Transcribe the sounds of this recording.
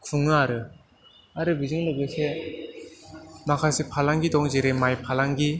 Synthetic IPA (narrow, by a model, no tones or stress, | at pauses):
kʰuŋnaaɾɯ | aɾɯbizɯŋlɯɡɯse | nakʰasepʰalaŋɡid̪ɔŋd͡ʑeɾemajpʰalaŋɡi